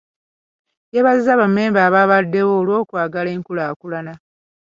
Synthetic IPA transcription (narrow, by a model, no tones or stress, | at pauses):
jeβazizaβame̞ːmbaːβaβadːe̞woːlwo̞ːkwaːɡale̞ːŋkulaːkulana